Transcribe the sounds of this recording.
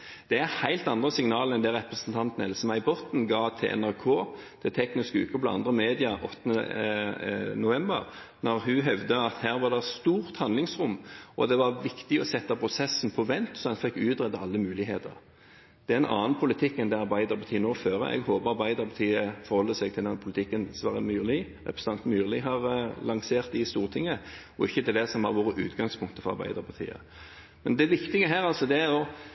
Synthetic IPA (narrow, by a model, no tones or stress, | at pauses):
d̪̥ɛæʁhæɪlt̪ɑnd̪ʁəsɪŋnɑːləɛnd̪æɾʁɛpɾəsən̩t̪ʰɑnt̪nɛlsmæɪbɔt̪n̩ɡɑːt̪ʰɪʔɛ̰næʁkʰoːt̪ʰɪlt̪ʰɛknɪskʉ̰ːkəpɔlɑɑnd̪ʁəmeːd̪ɪɑʔɔt̪ːənə̰ | nʊʋɛmbəʁnɔʁhʉɦœʋd̪əɑt̪hæːʁʋɑd̪ɛst̪uːʁt̪hɑnd̪lɪŋsʁʊmːʔɔd̪ɛʋɑʁʋɪkt̪ɪɔsɛt̪ːɑpʁʊsɛsn̩pʰɔʋɛnt̪sɔɛnfɛkːʉːt̪ʁɛd̪əɑlːəmʉːlɪɦeːt̪ə̰ʁ | d̪̥ɛɛɛnɑ̰ːnpʰʊlɪt̪ʰɪkːɛnd̪ɛɑɾbæɪd̪əɾpʰɑt̪ʰiːənoːføːɾə̰ʔɛ̰ɡhoːbəɾɑbæɪd̪əʁpʰɑt̪ʰiːəfɔɾhɔlːəsɛɡt̪ʰɪlɛnpʰʊlɪt̪ʰɪkːənsʋɑːʁɾəmyːʁlɪ | ʁɛ̰pɾəsəɑnt̪myːʁlɪɦɑʁlɑŋseːʁt̪̚ɪst̪uːʁt̪ʰɪŋːə | ɔɪçːət̪ɪld̪ɛsɔmhɑɾʋoːɾəʔʉ̰ːt̪ɡɑŋspʰʊŋk̚t̪əfɔʁɑ̰bæ̰ɪd̪əʁpʰɑt̪ʰḭːə̰ | mɛnd̪ɛʋɪkt̪ɪɡəɦæːʁɑlsɔd̪ɛæɾɔ